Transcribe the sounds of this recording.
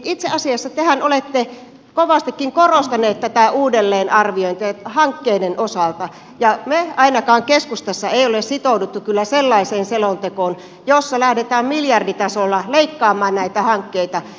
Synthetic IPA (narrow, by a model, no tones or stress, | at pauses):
it̪seʔɑsiɑsːɑt̪ehænolet̪ːe | koʋɑst̪ikːiŋkorost̪ɑneːt̪t̪æt̪æuːdelːeːnɑrʋioint̪ehɑŋkːeinenʔosɑlt̪ɑ | jɑmeɑinɑkɑːŋkeskust̪ɑsːɑeˑiolessit̪oudut̪ːukylːæselːɑiseːnselont̪ekoːn | josːɑlæhdet̪æːmmiljɑrdit̪ɑsolːɑleikːɑːmˑɑːnnæit̪æhɑŋkːeit̪ɑ